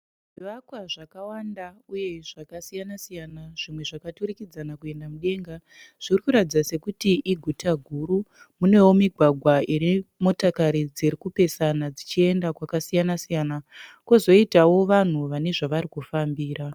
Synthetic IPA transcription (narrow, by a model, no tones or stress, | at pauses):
ʐiiʋakwaʐakawandauje̞ʐakasijanasijanaʐ̥imwe̞ʐakaturikid͡zanakue̞ndamuɗe̞ŋɡa | ʐ̥irikuɾatid͡zase̞kutiʔiɡʱutʰaɡʱuɾu | mune̞womiɡʱwaɡʱwaiimo̞takaɾid͡ziɾikupe̞sanad͡zit͡ʃie̞ndakwakasijanasijanakuzo̞itawo̞ʋan̤uʋane̞ʐaʋaɾikufambiːɾa